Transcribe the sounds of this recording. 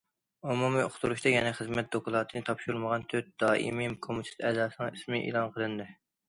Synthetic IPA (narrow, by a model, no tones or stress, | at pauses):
umumioχt̪uɾuʃt̪ɑjɛnɛχəzmɛt̪̚d̪okʊlˠɑːt̪ʰɨnɨt̪ʰɑpʃuɾulˠməʁɑnt̪ʰøt̪̚d̪̥ɑːʔḭmimkʰomut̪ʰɪ̥t̪ɛːzɑːsɨnɨ̃ŋismɪʔḛlˠɑnqʰəlˠɨnd̪ɨ